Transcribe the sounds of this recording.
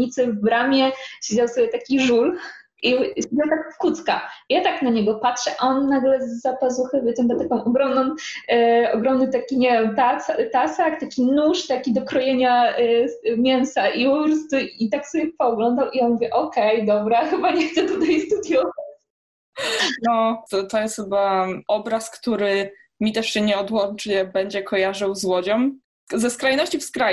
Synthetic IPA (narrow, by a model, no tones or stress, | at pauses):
it̪sɘvbɾamʲjɛɕed͡ʑawsɔbʲjɛt̪akʲiʐul | ʔiɕed͡ʑawt̪akfkut̪skajat̪aknaɲɛɡɔpatʂɛʔɔnːaɡlɛzːapazuwxɛbʲɛt͡ɕɛnd̪at̪akɔ̃w̃ɔɡɾɔmnɔ̃w̃ | ɔɡɾɔmnɘt̪akʲiɲevʲɛmt̪asat̪asakt̪akʲinuʂt̪akʲid̪ɔkɾɔjeɲa | mʲjɛnsaʔipɔpɾɔst̪uit̪aksɔbʲɛpɔːɡlɔnd̪awʔijamuvʲjɛʔɔkɛjd̪ɔbɾaxɘbaɲɛxt̪sɛt̪ut̪ajst̪ud̪jɔvat͡ɕ | nɔt̪t̪ɔjɛst̪xɘbaɔbɾaskt̪uɾɘ | mʲit̪ɛʂɕɛɲɛɔd̪wɔnt͡ʂɲɛbɛɲd͡ʑɛkʰɔjaʐɨwzwɔd͡ʑɔm | zɛskɾajnɔɕt͡ɕifskɾa